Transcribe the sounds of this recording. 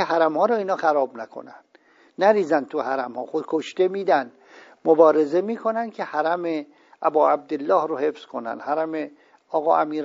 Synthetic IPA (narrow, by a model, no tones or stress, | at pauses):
eɦæɾæmhɒːɾɒːiːnɒːxæɾɒːbnækʰo̰nænd̪̥ | næɾiːzænd̪t̪ʰuhæɾæmhɒ̰ːxod̪kʰoʃt̪e̞miːd̪ænd̪ | mobɒːɾe̞zemiːkʰo̞nænd̪kʰe̞hæɾæme | ʔæbɒːæb̚d̪e̞lːɒːhɾohe̞fz̥kʰo̞næ̰nd̪hæɾæme | ɒːɣɒːʔæmiːɾ